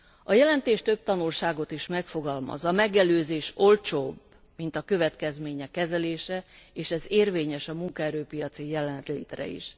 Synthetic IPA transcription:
ɒjɛlɛnt̪eːʃt̪ø̞b̚t̪ɒnulʃaːɡo̞t̪iʃmɛkfo̞ɡɒlmɒ̰zɒmɛɡɛløːzeːʃo̞lt͡ʃoːb | mint̪ɒkø̞vɛt̪kɛzmeːɲɛkːɛzɛleːʃɛeːʃɛzeːrveːɲɛʃɒmuŋkɒɛɾøːpijɒt̪sijɛlɛnlḛːt̪ɾɛ̰ḭʃ

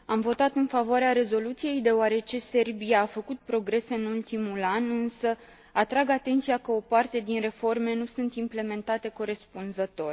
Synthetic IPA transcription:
amvo̞t̪at̪ɨnfavoaɾeaɾe̞zo̞lut̪sije̞jd̪e̞oaɾe̞t͡ʃe̞se̞rbijaːfəkut̪̚pɾo̞ɡɾe̞se̞ɨnult̪imulanɨnsə | at̪ɾaɡat̪e̞nt̪sijakəo̞part̪e̞d̪inre̞fo̞rme̞nusunt̪imple̞me̞nt̪at̪e̞ko̞ɾe̞spunzət̪o̞rʲ

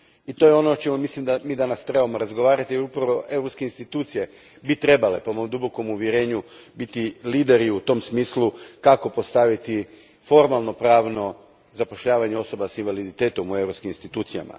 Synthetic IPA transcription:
it̪o̞jeo̞not͡ʃemomislimd̪amiːd̪anast̪ɾe̞bamo̞ɾazɡo̞ʋaːɾat̪ijeɾupɾaʋo̞ʔe̞wɾopskeinst̪it̪uːt̪sije̞ | bit̪ɾe̞bale̞po̞momd̪ubo̞ko̞muʋjeɾe̞ːɲubit̪iliːd̪e̞ɾiut̪o̞msmiːslukako̞po̞st̪aʋit̪i | fo̞ɾmalˠno̞pɾaːʋno̞ | zapo̞ʃʎaːʋaɲeo̞so̞basinʋalid̪it̪e̞ːt̪o̞mue̞wɾopskiminst̪it̪uːt̪sija̰ma̰

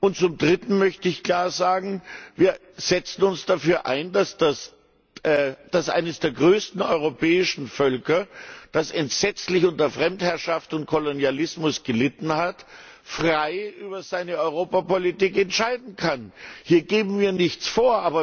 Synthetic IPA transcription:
ʔʊnt̚t͡sʊmdʁɪtn̩mœçtəɪçkl̥aːɐzaːɡŋ̩viːɐ | z̥ɛt͡sn̩ʊnsd̥afyːɐʔa̰ɪndasd̥as | ʔɛːd̥asʔa̰ɪnəsd̥eːɐɡʁøːstn̩ɔʏʁ̞opɛːɪʃn̩fœlkɐd̥asɛntz̥ɛt͡slɪçʊntɐɐfʁ̥ɛmthɛɐʃaftʊntkʰolonjalɪsmʊsɡ̥əlɪtn̩hat | fʁ̥aɪʔyːbɐzaɪnəɔʏʁ̞oːpapolitiːkɛntʃaɪdn̩kʰanhiːɐɡeːbm̩viːɐnɪçt͡sfoːɐʔaːbɐ

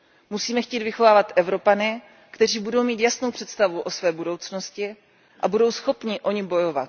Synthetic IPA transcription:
musiːmɛxciːt̪vɪxo̞vaːvat̪ʔɛvɾo̞panɪ | kt̪ɛriːbudo̞wmiːt̪jasno̞wpr̝̥ɛt̪st̪avuʔo̞svɛːbudo̞wt͡sno̞scɪ | ʔabudo̞wsxo̞pɲɪʔo̞ɲɪbo̞jo̞vat̪

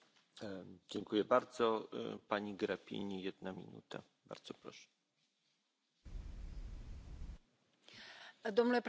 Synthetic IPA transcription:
d͡ʑɛŋkujɛbaɾd̪zɔpaɲiɡɾapʲḭɲijɛd̪namʲḭnṵt̪a̰ | ba̰ɾd̪z̥ɔpɾɔ̰ʂɛ̥ | d̪ɔmnulɛp

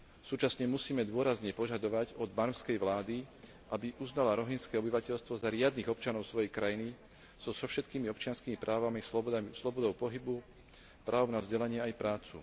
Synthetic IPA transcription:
suːt͡ʃasɲɛmusiːmɛd̪ʊɔɾazɲɛpɔʒad̪ɔʋaɟɔd̪maɾmskɛjʋlaːd̪i | ʔabiʔuznalaɾɔɦinskɛːɔbiʋacɛʎst̪ʋɔzaɾɪad̪niːɣɔp̚t͡ʃanɔʊsʋɔjɛjkɾajini | z̥ɔzɔfʃɛt̪kiːmiɔpt͡ʃɪanskiːmipɾʔaːʋamislɔbɔd̪ɔʊpɔɦibu | pɾaːʊnavzɟɛlaɲɪɛajpɾaːt͡sṵ

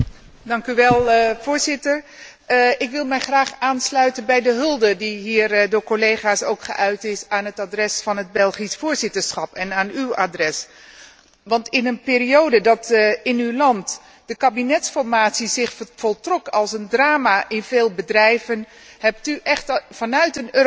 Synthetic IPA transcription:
dɑŋkyʋɛlˠv̥ʊːɹzɪtəɹ | ɪkʋɪlˠmɛjχraːχaːnslœɥtənbɛjdəɦɵlˠdədiɦiːrdʊːɹkolejχaːsowkχə̰ʔœɥtɪsaːnɦətaːdrɛsfɑnɦəd̚bɛlˠχisfʊːɹzɪtəɹsχɑpɛnaːnywa̰drɛs | ʋɑntɪnənpɪːɾiowdədɑtɪnywlɑnt | d̥əkabinɛtsfɔɹmaːtsizɪχfɔlˠtrɔkɑlˠsəndraːmaʔɪnveːlˠbədrɛjvən | hɛp̚tyʔɛχtfɑnœɥtənøː

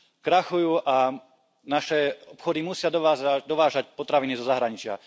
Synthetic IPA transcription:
kɾaxujuːʔa | naʃɛɔpxɔd̪imusɪad̪ɔd̪ɔʋaːʒac̚pɔt̪ɾaʋinizɔzaɦɾaɲit͡ʃɪa̰

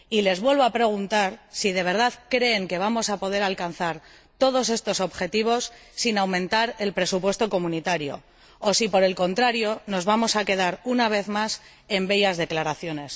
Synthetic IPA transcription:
ile̞zβwe̞lβo̞apɾe̞ɣ̞unt̪aɾsið̞e̞β̞e̞ɾð̞aðkɾe̞ːŋke̞β̞amo̞sapo̞ðe̞ɾalkanθaɾ | t̪o̞ð̞o̞se̞st̪o̞so̞βxe̞t̪iβ̞o̞sːinawmẽ̞nt̪aɾe̞lpɾe̞supwe̞st̪o̞ko̞mũnit̪aɾjo̞̰ | osipo̞ɾe̞lko̞nt̪ɾaɾjo̞no̞zβamo̞sake̞ðaɾunaβ̞e̞θmas | e̞mbe̞jazðe̞klaɾaθjo̞ne̞s

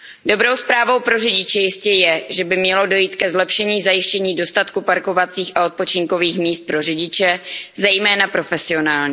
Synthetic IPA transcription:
do̞bɾo̞wspɾaːvo̞wpɾo̞rɪɟɪt͡ʃɛjɪscɛjɛʒɛbɪmɲɛlo̞do̞jiːt̪kɛzlɛpʃɛɲiːzajɪʃcɛɲiːdo̞st̪at̪kupaɾko̞vat͡siːxʔao̞t̪̚pot͡ʃɪŋko̞viːxmiːst̪̚pɾo̞rɪɟɪt͡ʃɛzɛjmɛːnapɾo̞fɛsɪo̞naːlɲi

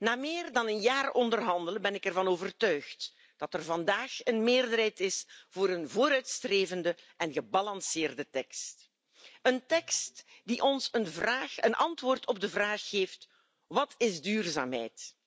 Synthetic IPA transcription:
naːmeːrdɑnənjaːrɔndərɦɑndələbɛnɪkɛrvɑnoːvərtœɥxt | d̥ɑtɛrvɑndaːxənmeːrdərɦɛjtɪsv̥oːɾənvoːɾœɥtstreːvəndəʔɛnɣəbɑlɑnsɪːrdətɛkst | əntɛkstd̥iʔɔnsənvraːxə̰nʔɑntʋoːrtʰɔb̚dəvraːxːeːft | ʋɑtʰɪzdyːrza̰ːmɦɛ̰jt

